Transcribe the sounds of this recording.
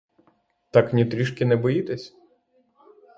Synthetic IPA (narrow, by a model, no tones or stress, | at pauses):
t̪ɑknʲit̪ɾʲiʃkʲɪnɛbɔjit̪ɛsʲ